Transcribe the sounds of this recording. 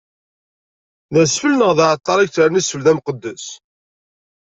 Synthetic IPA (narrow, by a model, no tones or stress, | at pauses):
ðæsfəlnəʁðaʕət̪ˤːɑɾˤakt͡sɾnisfəlðæmqəd̪ːəs